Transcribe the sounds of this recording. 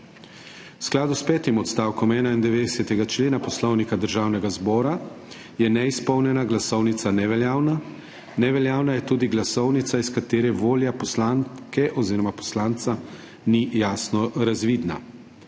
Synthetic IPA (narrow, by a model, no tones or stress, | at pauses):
wsklaːd̪uspɛːt̪imɔt̪st̪aːwkɔmɛːnaind̪ɛʋeːd̪ɛsɛt̪ɛɡat͡ʃleːnapɔslɔwnikad̪əɾʒaːwnɛɡazbɔːɾa | jɛnɛispɔwnjɛnaɡlasɔwnit̪sanɛʋɛljaːwna | nɛʋɛljaːwnajɛt̪uːd̪iɡlasɔwnit̪saiskat̪eːɾɛʋoːljapɔslant̪kɛʔɔziːɾɔmapɔ̥slant̪sa | nijaːsnɔɾazʋid̪na̰